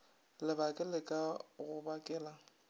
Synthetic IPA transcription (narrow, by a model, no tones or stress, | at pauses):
lɪbakʼɪlɪkʼaɣʊbakʼɛːla